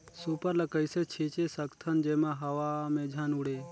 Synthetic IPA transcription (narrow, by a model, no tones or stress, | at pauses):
supəɾləkəiset͡ʃʰiːt͡ʃesəkt̪ʰənd͡ʒeːmãɦɐʋamẽːd͡ʒʱaːnuɽeː